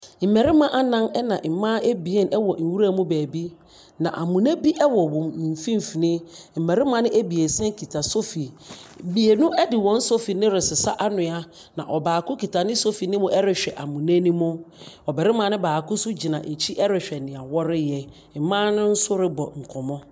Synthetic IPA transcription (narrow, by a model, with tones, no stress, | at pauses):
m̩˨mɛ˨ɾɪ˦mã˦ʔa˦nã˦nɛ˦nã˨m̩˨mã˦e˦bi˨e˦nʔɛ˦wɔ˨n̩˨wu˦ɾa˦mũ˦bæː˨bi˦ | nã̰˨ʔa˨mũ˨næ̃˦bi˦ʔɛ˦wɔ˨wʊ̃˨m̩˨fĩ˦m˨fi˨nɪ̃˦m̩˨mɛ˨ɾɪ˦mã˨˦nɪ̃˦ʔe˦bi˨e˨sɛ̃˦ŋ˦kʰi˨tʰa˨so˦fi˨bi˨e˨nʊ̃˦ɛ˦dɪ˨wɔ̃˨˦n̩˦so˦fi˨nɪ̃˦ɾɪ˨sɪ˨sa˦ʔa˦nʊ̃˨a˦ | nã̰˨ʔɔ˨baː˨kʰʊ̃˦kʰi˨tʰa˨nɪ̃˦so˦fi˨nɪ̃˦mʊ̃˨ʔɛ˦ɾɪ˨ɕᶣɛ˨ʔa˨mũ˨næ̃˦nĩ˦mʊ̃˦ɔ˨bɛ˨ɾɪ˦mã˨˦nɪ̃˦baː˨kʰʊ̃˦sʊ˦d͡ʑi˨nã˨ʔe˨t͡ɕʰi˦ʔɛ˦ɾɪ˨ɕᶣɛ˨nɪ̃˨a˨wɔ˦ɾɪ˦jɛ˨ | m̩˨mã˦nʊ̃˦n̩˦sʊ˦ɾɪ˦bɔ˨ŋ̩˨kʰɔ˨mɔ̃˦